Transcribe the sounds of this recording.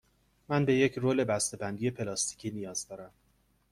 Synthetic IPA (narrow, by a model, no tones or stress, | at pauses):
mænbe̞je̞cʰroːle̞bæst̪e̞bænd̪ije̞pʰe̞lɒːst̪ʰi̥cʰiːnijɒːzd̪ɒːɾæm